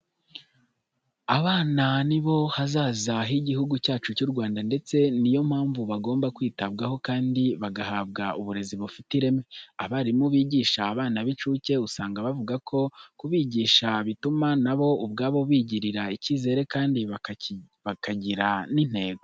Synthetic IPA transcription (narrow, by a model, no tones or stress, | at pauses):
aβaːnaniβo̞hazaːzaɦiɟihuɡucaːt͡ʃucuɾɡwaːndande̞t͡se̞nijo̞m̥haːɱvuβaɡo̞ːmbakwiːtabɡaho̞kaːndiβaɡahaːβɡauβuɾe̞ziβufitiɾe̞meaβaɾimuβiːɟiːʃaːβaːnaβit͡ʃuːce̞usaːŋɡaβavuɡakʰo̞kuβiːɟiːʃaβitumanaβo̞ubɡaːβo̞βiːɟiɾiɾaiciːze̞ːɾe̞kaːndi | βakʰaɟiɾanin̥he̞ːɡo